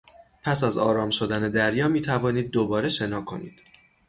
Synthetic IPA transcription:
pʰæsæzɒːɾɒːmʃo̞d̪æne̞d̪æɾjɒːmiːt̪ʰævɒːniːd̪̚ːobɒːɾe̞ʃe̞nɒːkʰo̞̰niːd̪̥

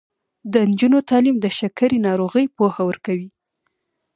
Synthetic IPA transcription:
d̪ənd͡ʒunot̪ɑlimd̪əʃakaɾinɑɾoɣəjpohawəɾkawi

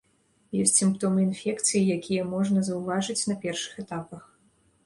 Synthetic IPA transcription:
jɔsʲt͡sʲsʲimpt̪ɔmɨinfʲɛkt̪sɨjijakʲijɛmɔʐnɐzɐwvaʐɨt͡sʲnɐpʲɛrʂɨ̥xɛt̪apɐx

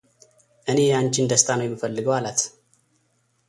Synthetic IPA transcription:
ʔɨne̞jant͡ʃɪnd̪əst̪ʰanəwjɛmːifəlːɨɡəwalət̪

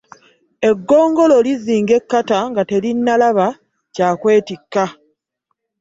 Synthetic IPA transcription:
e̞ɡːo̞ːŋɡo̞lo̞liziːŋɡe̞kːataŋɡate̞linːalaβa | caːkwe̞ːtikːa

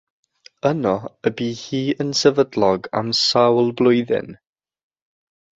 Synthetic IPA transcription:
ənɔəbiːhiːənsɛvədlˠɔɡa̰msawlˠblˠʊjðɪ̰n

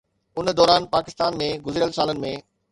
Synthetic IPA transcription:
ʊnd̪ɔːɾaːnpaːkɪst̪aːnmẽɡʊzɪɾijəlsaːlənɪ̆mẽ

